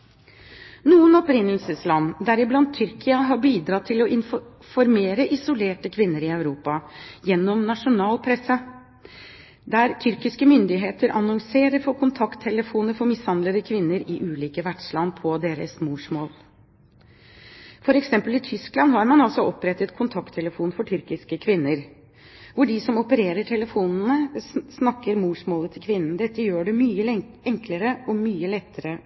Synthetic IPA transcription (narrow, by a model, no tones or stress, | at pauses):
nuːənɔpɾɪnːəl̩səslɑnːd̪æɾɪblɑnd̪̚t̪ʰːʏɾkʰɪɑɦɑbiːd̪ɾɑːt̪ʰɪlɔʔɪnf | fɔɾmeːɾəʔɪsʊleːʈəkʰʋɪnːəɾɪœʉɾuːpɑjɛnːɔmnɑʂʊnɑːlpʰɾɛsə | d̪æɾt̪ʰʏɾkɪskəmʏnd̪ɪɦeːt̪əɾʔɑnɔŋseːɾəɾfɔkʰʊnt̪ʰɑkt̪ʰːɛləfuːnəɾfɔɾmɪshɑnd̪ləd̪əkʰʋɪnːəɾɪʔʉːliːkəʋæʈʂlɑnːpʰɔd̪eːɾə̰smuːʂmoːl | fɔɾɛksɛmpəlɪt̪ʰʏsklɑnɦɑɾmɑnɑlsɔʔɔpːɾɛt̪ːət̪kʰʊnt̪ʰɑkt̪ʰːɛləfuːnfɔʈʰʏɾkɪskəkʰʋɪnːəɾ | ʋʊɖɪsɔmɔpəɾeːɾəʈʰɛləfuːnn̩əsnɑkːəɾmuːʂmoːlət̪ʰɪlkʰʋɪnːn̩d̪ɛt̪ːəjøːɖɛmyːə | ɛŋkləɾəɔmyːəlɛt̪ːəɾə